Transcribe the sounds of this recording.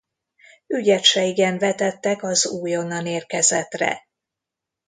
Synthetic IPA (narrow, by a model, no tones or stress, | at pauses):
yɟɛt̪ʃɛiɡɛɱvɛt̪ɛt̪ːɛkɒzuːjo̞nːɒneːrkɛzɛt̪rɛ̰